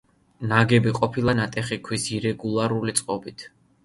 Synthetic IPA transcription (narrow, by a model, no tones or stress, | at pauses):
naɡɛbiqʼɔpʰilˠanat̪ʼɛχikʰwisiɾɛɡulˠaɾulit̪sʼqʼɔbit̪ʰ